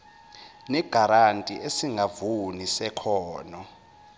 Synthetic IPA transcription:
nɛɡ̥ʱaɾantʼiʔesiŋʱavunisɛkʰɔːnɔ

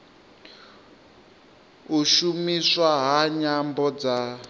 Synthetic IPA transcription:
uʃumiswaɦaɲambɔd͡za

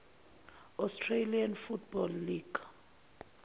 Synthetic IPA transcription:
ɔstʰʼrelianfutʰb̥ɔlːiːɡ̥

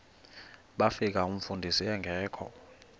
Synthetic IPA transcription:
ɓafik̬aum̩fundʱisiɛŋɡʱɛːkʰɔ̰

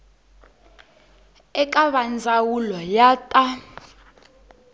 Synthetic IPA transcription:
ɛk̬ʼaβand͡zʱawulajaːtʼa

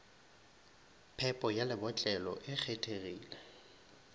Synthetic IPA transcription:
pʰɛpʼɔjalɪbɔt͡ɬʼɛlɔ̰ʔɪk͡xʰetʰeriːlɛ

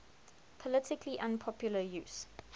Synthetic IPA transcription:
pʰɔlɪtɪkʰliʔãnpʰɔpʰjʊləjuːs

